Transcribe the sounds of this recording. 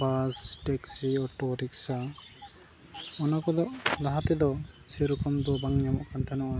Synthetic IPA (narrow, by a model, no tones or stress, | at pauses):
basʈɛksiɔʈɔʈiksa | ɔnakɔd̪ɔʔlaɦat̪ɛd̪ɔseɾukɔmd̪ɔbaŋɲamɔkant̪ʰanɔʔɔ